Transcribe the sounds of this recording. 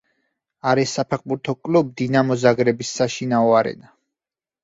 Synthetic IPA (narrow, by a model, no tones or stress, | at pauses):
aɾisːapʰɛq̚buɾt̪ʰɔkʼlub̚d̪inamɔzaɡɾɛbisːaʃinaɔaɾɛ̰na